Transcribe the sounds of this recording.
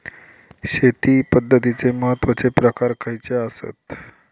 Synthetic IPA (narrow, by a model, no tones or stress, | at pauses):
ɕet̪ipəd̪ʱːət̪it͡seməɦət̪ːʋət͡sepɾəkaɾkʰajt͡seasə̰t̪